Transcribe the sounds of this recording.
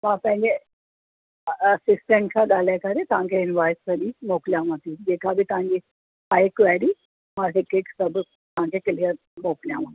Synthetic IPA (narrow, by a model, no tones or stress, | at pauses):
mãpɛ̃ɲd͡ʑe | əsisʈəɳʈ̚kʰaɡalakaɾet̪ãŋkeinʋajstəɾiːmokljamət̪iːd͡ʑekʰabʱiːt̪ãŋɡi | ajkʋɛɽi | maʈikeʈsəb | t̪ãŋkekelija | mokljamət̪i